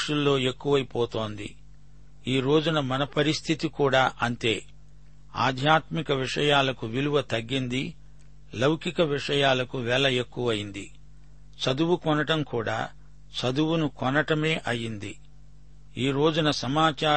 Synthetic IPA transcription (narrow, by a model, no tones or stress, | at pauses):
ʂulːo̞ːe̞kːuʋɐjipoːt̪o̞ːnd̪ḭ | iːɾo̞ːd͡ʒunɐmɐnɐpɐɾist̪ʰit̪ikuːɽaːʔɐnt̪e̞ː | a̰ːd̪ʱjaːt̪mikɐʋiʂɐjaːlɐkuʋiluʋɐt̪ɐɡːind̪i | lɐwkikɐʋiʂɐjaːlɐkuʋɛːlɐe̞kːuʋɐjind̪i | t͡ʃɐd̪uwukɔnɐʈɐmkuːɽa̰ː | t͡ʃɐd̪uwunukɔnɐʈɐme̞ːʔɐjːind̪i | iːɾo̞ːd͡ʒunɐsɐmaːt͡ʃaː